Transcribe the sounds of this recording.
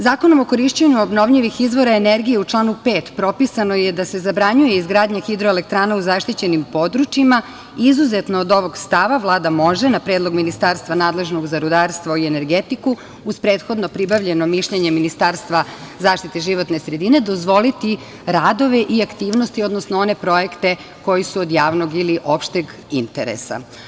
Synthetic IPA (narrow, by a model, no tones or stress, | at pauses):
zaːko̞no̞mo̞ko̞ɾiʃt͡ɕeɲuobno̞ʋʎiʋixizʋo̞ɾaeneɾɡije̞ut͡ʂlˠaːnupeːt̪pɾo̞pisano̞je̞d̪ase̞zabɾaɲujeizɡɾaːd̪ɲaxid̪ɾoelek̚t̪ɾaːnauzaʃt̪it͡ɕe̞nimpo̞d̪ɾut͡ʃima | izuze̞t̪noːd̪o̞ʋo̞ɡst̪aʋaʋlˠaːd̪amo̞ʒenapɾeːd̪lˠo̞ɡminist̪aːɾst̪ʋanaːd̪le̞ʒno̞ɡzaɾud̪aːɾst̪ʋaiene̞ɾɡet̪iku | uspɾeːt̪xo̞d̪no̞pɾibaʋʎe̞no̞miʃʎeɲe̞minist̪aːɾst̪ʋa | zaːʃt̪it̪eʒiʋo̞t̪ne̞sɾe̞d̪ine̞d̪o̞zʋo̞lit̪i | ɾaːd̪o̞ʋe̞ʔiakt̪iːʋnost̪io̞d̪nosnoo̞ne̞pɾo̞jekt̪e̞ | ko̞jisuod̪jaːʋno̞ɡiliʔo̞pʃt̪eɡ | int̪ḛɾḛsa̰